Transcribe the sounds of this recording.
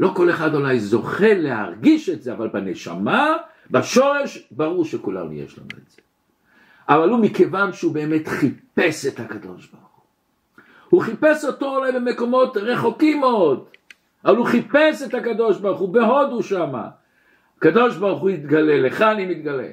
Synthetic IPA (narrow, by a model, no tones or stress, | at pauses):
lo̞ko̞le̞χadolajzo̞χe̞leɦa̰ʁɡiʃe̞tzeavalbaneʃa̰ma | baʃo̞ʁe̞ʃbaʁuʁʃekula̰nṵjḛʃla̰nṵetz̥e | ʔavalumike̞vanʃeubeːmet̪χipe̞sethakad̪o̞̰ʃbaʁχu̥ | huχipeso̞to̞olajbe̞me̞ko̞mo̞tʁe̞χokimːeo̞d̪ | avaluχipesethakado̞ʃbaʁχubeɦo̞duʃama̰ | akad̪o̞ʃbaʁuχujit̪ɡale̞leχanimit̪̚ɡalḛ